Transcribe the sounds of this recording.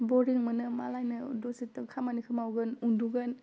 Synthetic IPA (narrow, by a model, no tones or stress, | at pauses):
bɔɾiŋmɯnɯmalajnɯdɔsitɯkʰamanikʰɯmawɡɯnunduɡɐn